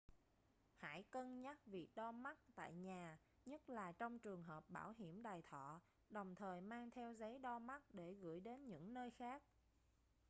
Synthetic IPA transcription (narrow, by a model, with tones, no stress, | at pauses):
ha̰ː˧˥jkə˧nɲa˦˥t̚vi˨˩ək̚ɗɔ˧ma˦˥t̚t̪a̰ː˧˨jɲaː˨˩ | ɲə˦˥t̚laː˨˩t͡ɕɔ˧wŋ͡mt͡ɕɨ˨˩əŋɦəː˨˩p̚ɓaː˧˩wɦi˧˩əmɗaː˨˩jt̪ʰɔ̰˧˨ | ɗə˨˩wŋ͡mt̪ʰəː˨˩jmaː˧ŋt̪ʰɛ˧wzə˨˦jɗɔ˧ma˦˥t̚ɗe˧˩ɣɨ̰˧˩˥jɗe˨˦nɲɨ̰˧˥ŋnəː˧jxaː˦˥k̚